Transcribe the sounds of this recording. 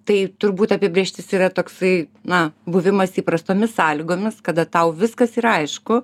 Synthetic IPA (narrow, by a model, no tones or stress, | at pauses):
t̪ɐɪt̪ʊrbuːt̪ɐpʲɪbʲɾʲeːʃʲt̪ʲɪsiːɾɐt̪oːksɐɪnɐbʊʋʲɪmɐsiːpɾɐst̪oːmʲɪssɑːlʲiɡoːmʲɪskɐd̪ɐt̪ɐʊʋʲɪskɐsiɾɐɪʃkʊ